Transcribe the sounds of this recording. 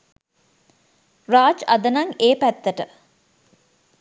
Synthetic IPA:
raːd͡ʒɐd̪ənaŋeːpæt̪ːəʈə

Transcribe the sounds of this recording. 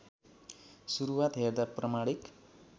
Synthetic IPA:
suɾuwat̪ɦeɾd̪aprʌmaɽik

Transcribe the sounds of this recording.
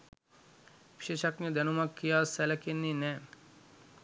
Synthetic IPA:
ʋiʃeːʃakniəd̪ɛnumakːijaːsɛlɐkenːinɛː

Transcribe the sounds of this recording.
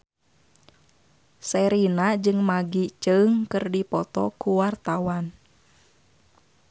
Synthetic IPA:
sɛɾinad͡ʒɨŋmaɡit͡ʃəŋkɨrdipɔt̪ɔkuwart̪awan

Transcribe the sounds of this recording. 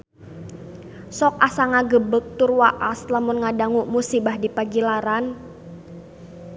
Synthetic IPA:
sɔk̚asaŋaɡəbək̚t̪urwaʔaslamʊnŋadaŋuʔmusibahdipaɡilaɾan

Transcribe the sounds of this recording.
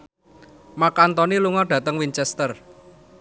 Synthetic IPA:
makant̪ɔniluŋɔɖ̥ä̤t̪əŋwint͡ʃɛst̪ər

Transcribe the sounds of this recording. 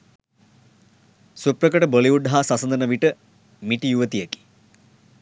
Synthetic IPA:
suprəkəʈəboliʋuɖɦasɐsənd̪ənəʋiʈə | miʈijuʋət̪ijeki̥

